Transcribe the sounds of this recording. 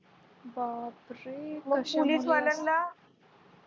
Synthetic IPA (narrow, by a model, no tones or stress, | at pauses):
babɾeməpolisʋalənla